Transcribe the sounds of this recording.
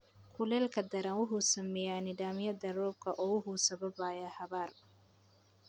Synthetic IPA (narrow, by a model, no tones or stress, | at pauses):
kʰʊlɛːlkʰɐd̪ɐɾanwʊɦʊsɐmɛjaːnɪd̪aːmɪjɐd̪ɐrɔːb̚kʰɐʔɔːwʊhʊsɐβɐbaːjaːhɐβaːr